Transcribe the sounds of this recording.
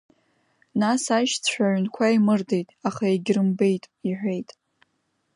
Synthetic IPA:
nasaʃt͡sʰʷħʷᶣaʕʷnkʷʰaimɨrde̞jtʼaχaeɡʲrɨmbe̞jtʼiħʷᶣe̞jtʼ

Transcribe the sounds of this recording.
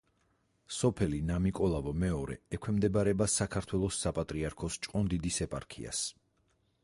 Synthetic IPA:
sɔpʰɛlinamikʼɔlˠavɔmɛɔɾɛ̰ɛkʰwɛmd̪ɛbaɾɛbasakʰaɾt̪ʰwɛlˠɔsːapʼat̪ʼɾiaɾkʰɔst͡ʃʼqʼɔnd̪id̪isɛpʼa̰ɾkʰḭa̰s

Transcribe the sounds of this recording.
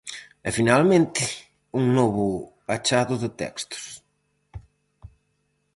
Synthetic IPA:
ɛfinalmẽnt̪ɪ | uŋnɔβʊ | at͡ʃaðʊðɪt̪ɛ̰kst̪ʊ̥s

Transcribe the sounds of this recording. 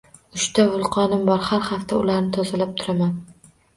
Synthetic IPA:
ʊʃt̪ʰavʊlˠqʰɒnɪmbɒɾhaɾhaft̪ʰaʊlaɾnɪt̪ʰɒzalap̚t̪ʰʊɾaman

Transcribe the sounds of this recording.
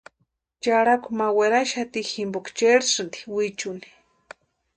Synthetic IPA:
t͡ʃaɾakʷumaweɾaʃat̪iximbukt͡ʃeɾsɨnd̪i̥wit͡ʃuni̥

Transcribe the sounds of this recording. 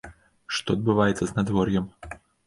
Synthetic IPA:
ʂt̪ɔɐd̪̚bɨvajɛt̪sɐznad̪vɔrjɛm

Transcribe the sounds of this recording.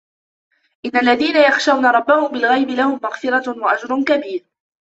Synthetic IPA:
ʔɪnːalːaðiːnajaxʃawnaɾˤɑbːahʊmbɪlɣajbɪlahʊmːaɣfɪɾˤɑwaʔad͡ʒɾˤʊnkabiːɾ

